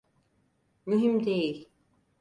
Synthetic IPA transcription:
myɦimd̪ejil

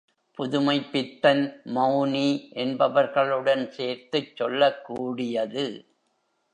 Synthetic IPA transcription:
pʊðʊmɐɪpːɪt̪ːɐnmɐʊniʔɛnbɐʋɐɾɣɐɭɯɽɐnseːɾt̪ɯt͡ʃːɔlːɐkːuːɽɪjɐðɯ

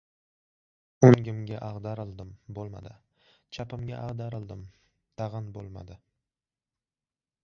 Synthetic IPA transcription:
oŋɡʲɪmɡʲaʔaʁd̪aɾɪlˠd̪ɪmbolˠma̰d̪ɪ | t͡ʃʰapɪmɡʲaʔaʁd̪aɾɪlˠd̪ɪm | t̪ʰaʁɨnbo̰lˠma̰d̪ɪ

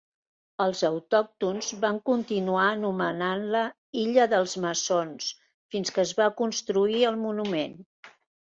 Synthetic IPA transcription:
əlˠzəwt̪ɔk̚t̪unzβaŋkunt̪inuaənumənanlə | iʎəðəlˠzməsons | finskəːzβakunst̪ɾuiəlˠmunumen

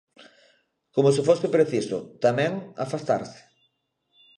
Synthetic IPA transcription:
komʊsɪfosɪpɾeθisʊ̰t̪amɛ̃ŋa̰fast̪a̰ɾsɪ̥

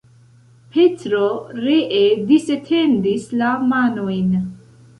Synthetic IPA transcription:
pʰetɾoɾeʔed̪iset̪ʰend̪islamanojn

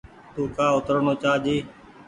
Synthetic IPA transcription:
t̪uːkaːʊt̪əɾɳoːt͡ʃaːd͡ʒiː

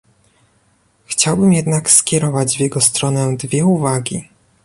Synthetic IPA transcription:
xt͡ɕawbɘmjɛd̪nakskʲɛɾɔvad͡ʑvʲjɛɡɔst̪ɾɔnɛd̪vʲjɛuvaɡʲi

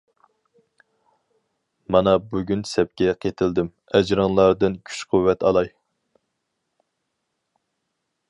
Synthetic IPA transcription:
mɑnɑbuɡʲynsɛp̚kʲʰɛqʰet̪ʰɪld̪ɪm | ɛd͡ʒɾɨŋlˠɑɾd̪ɨnkʲʰy̥t͡ʃqʰuwːɛt̪ɑlˠɑj

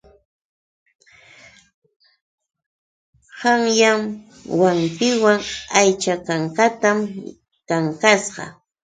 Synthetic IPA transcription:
hɑŋjam | waŋkɪwaŋajt͡ʃakaɴkat̪am | kaŋkasɢɑ̰

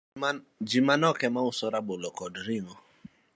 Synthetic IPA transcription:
d͡ʒimanɔkɛmaʊsɔɾabolɔkɔdɾiŋɔ

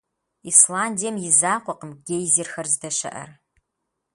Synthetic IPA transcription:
islaːndijɛmjɪzaːqʷɔqəmɡʲejzirxɐrzdɐʃɐ̰ʔɐ̰r

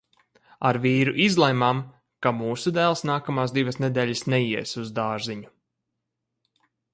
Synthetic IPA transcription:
aɾviːɾuʔizlˠɛjmam | kamuːsud̪æːlˠsnaːkamaːsd̪ivɐsnɛd̪ɛːʎʲasnɛjiɛsuzd̪aːɾziɲu

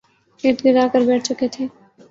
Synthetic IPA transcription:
eːʈɡɪdaːkəɾbɛːʈ̚ʰt͡ʃʊket̪ʰeː

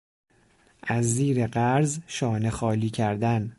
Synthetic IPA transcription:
ʔæzːiːɾeɢæɾzʃɒːne̞xɒːliːcʰæɾd̪æn

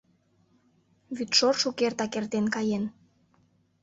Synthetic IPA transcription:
βyt̪ʃorʃukert̪ɑkert̪enkɑjen

